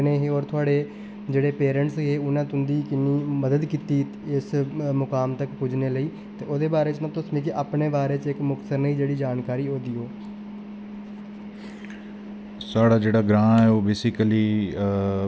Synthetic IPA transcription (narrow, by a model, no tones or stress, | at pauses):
neːɦeːɔːɾt̪ʰʊaːɽeː | d͡ʒeːɽeːpeːɾə̃ɳʈsɦeːʊnãːt̪ʊnd̪iːkɪnːiːməd̪əd̪kiːt̪iː | ɪsmʊkaːmt̪əkpʊd͡ʒneːləiː | t̪eːoːd̪eːbaːɾeːt͡ʃnəbt̪õːsmiːkeʔaːpneːbaːɾeːt͡ʃɪkmʊk̪səɾnəiːd͡ʒeːɽiːd͡ʒaːnkaːɾiːoːd̪iːɦoː | saːɽaːd͡ʒeːɽaːɡɾãːɛːoːbeːsɪkəliː